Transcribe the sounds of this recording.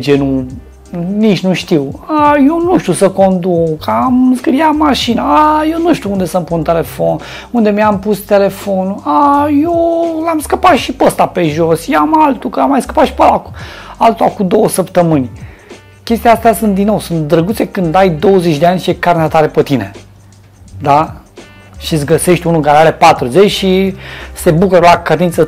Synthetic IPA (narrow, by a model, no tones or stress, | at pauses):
d͡ʒenu | nit͡ʃnuʃt̪iwajownuʃt̪ʲusəko̞nd̪ukʰamskɾijamaʃinaajewnuʃt̪ʲiuund̪e̞səmpunt̪e̞le̞fo̞n | und̪e̞miampust̪e̞le̞fo̞nuajolamskəpat̪ʃipəst̪ape̞ʒo̞sjeamalt̪ukəamːajskə̥pat̪ʃi̥pəlakualt̪uakud̪o̞wəsəpt̪əmɨnʲ | kʲe̞st̪ijaast̪easunt̪d̪ino̞wsunt̪̚d̪ɾəɡut̪se̞kɨnd̪ajd̪o̞wəzet͡ʃʲd̪eanʲʃiekarneat̪aɾe̞pət̪ine̞̰ | d̪a | ʃis̬ɡəse̞ʃt̪ʲunulkaɾeaɾe̞pat̪ɾuzet͡ʃʃise̞bukuɾəlakəd̪int̪sə